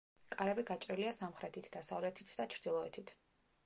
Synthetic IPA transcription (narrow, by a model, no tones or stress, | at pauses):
kʼaɾɛbiɡat͡ʃʼɾɛliasamχɾɛt̪ʰit̪ʰd̪̥asavlɛt̪ʰit̪ʰd̪at͡ʃʰɾd̪ilˠɔɛt̪ʰit̪ʰ